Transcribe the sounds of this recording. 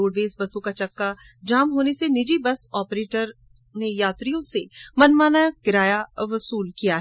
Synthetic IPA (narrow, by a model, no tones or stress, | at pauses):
oːɽʋeːsbɐsõkat͡ʃɐkːa | d͡ʒaːmɦoːnesenɪd͡ʒibɐsɔːpɾeːʈəɾ | nejaːt̪ɾijõsemɐnmaːnajkɪɾaːjaʋɐsuːlkijaɦ